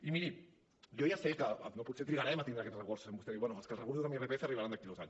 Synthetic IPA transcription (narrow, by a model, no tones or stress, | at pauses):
imiɾi | ʝojaseka̰noput̪set̪ɾiɣaɾɛmat̪ind̪ɾakɛt̪srəɣoɾsu̥sembust̪eiβwɛnualskəlsrəɣoɾsuzðamierepeeθeariβaɾand̪akilozaɲ